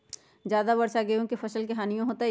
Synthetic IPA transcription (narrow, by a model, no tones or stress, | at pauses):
d͡ʒjaːd̪abɐɾsaɡejõkefʰɐʃəlkɐɦaːnijõɦoːt̪a